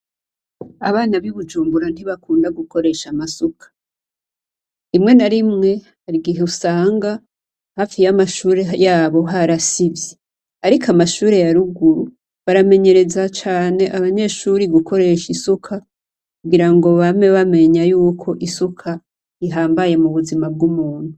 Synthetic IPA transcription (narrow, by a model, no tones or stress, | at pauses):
aβaːnaβiβud͡ʒuːmbuɾan̥hiβakuːndaɡuko̞ɾe̞ʃamasukʰḁ | imŋe̞naɾimŋe̞ | aɾiɡiɦeusaːŋɡa | haːfijamaʃuːɾe̞jaːβo̞ɦaɾasivje | aɾikamaʃuːɾe̞jaɾuɡuɾu | βaɾame̞ɲe̞ɾe̞zat͡ʃaːne̞ʔaβaɲe̞ːʃuɾiɡukʰo̞ɾe̞ʃisukʰa | kuɡiɾaŋɡo̞βame̞βame̞ɲajuːkʰo̞ʔisukʰa | iɦaːmbaje̞muβuzimab̚ɡumuːn̥hu